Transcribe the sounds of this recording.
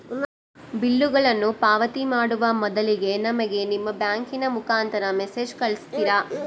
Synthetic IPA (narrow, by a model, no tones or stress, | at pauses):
bilːuɡɐɭɐnːupaːʋɐt̪imaːɽuʋɐmɔd̪ɐliɡe̞nɐmɐɡe̞nimːɐbjaːŋkinɐmukaːnt̪ɐɾɐmese̞ːd͡ʒkɐɭist̪iɾa